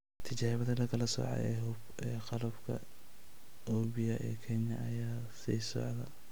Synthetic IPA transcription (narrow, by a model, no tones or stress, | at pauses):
t̪ʰɪt͡ʃaːhɪβɐðɐlɐkʰɐlɐsɔ̰ʕɑ̰ɛɦ | ɛːqɑlɐbkʰɐ̰ | ɔːbɪjɐʔḭːkʰɛnjɐɐjaː | siːsɔ̰ʕðɐ